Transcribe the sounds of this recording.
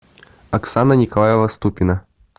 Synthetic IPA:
ɐksanɐnʲikɐlˠajɛvɐst̪upʲina

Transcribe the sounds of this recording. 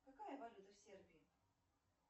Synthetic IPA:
kakajɐvalʲut̪ɐwsʲerbʲii

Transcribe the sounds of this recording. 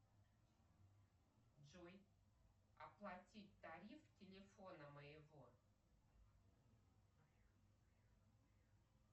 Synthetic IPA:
d͡ʒuj | ɐ̰plˠatʲit̚ʲt̪aɾʲiftʲelʲefonəməjɪvo

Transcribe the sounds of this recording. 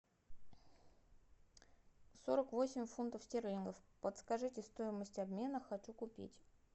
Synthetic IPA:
so̞ɾəkvo̞sʲɪmʲfunt̪əfsʲtʲervʲinɡəfpət̪skɐʐɨtʲɪst̪o̞jɪməsʲtʲɐbmʲe̞nəxɐt͡ɕukʊpʲḭtʲ

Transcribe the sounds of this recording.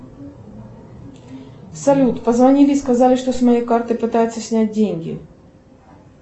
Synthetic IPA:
sɐlʲut̪pəzvɐnʲilʲɪskɐzalʲɪʂt̪osmɐjejkart̪ɨjpɨt̪ajʊt̪sːəsʲnʲæt̚ʲdʲenʲɡʲɪ̰

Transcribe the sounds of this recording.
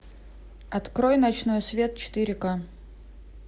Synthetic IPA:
ɐt̪kɾojnɐt͡ɕno̞jsvʲe̞t̪̚t͡ɕɪ̥t̪ɨɾʲɪka

